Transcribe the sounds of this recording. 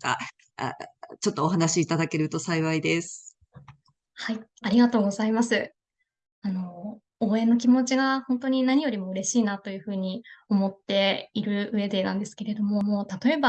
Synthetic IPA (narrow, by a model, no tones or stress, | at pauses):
a̰ | t͡ɕo̞t̪ːoːɦanaɕiːt̪ad̪ake̞ɾɯ̟t̪o̞saiβaid̪e̞sɨ̥ | haiaɾʲiɡat̪o̞ːɡo̞zaimasɨ | ano̞ | oːẽ̞nːo̞k̬ʲimo̞t͡ɕiɡahõ̞nt̪o̞ɲ̟inaɲ̟ijo̞ɾʲimo̞ɯ̟ɾe̞ɕiːnat̪o̞jɯ̟ːɸɯ̟ːɲ̟io̞mo̞t̪ːe̞iɾɯ̟ɯ̟e̞d̪e̞nãnd̪e̞sɨ̥ke̞ɾe̞d̪o̞mo̞mo̞t̪at̪o̞e̞ba